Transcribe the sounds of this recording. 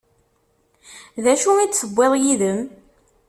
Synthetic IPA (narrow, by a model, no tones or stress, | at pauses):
ðæʃuid̪səbʷːɪðˤjiðəm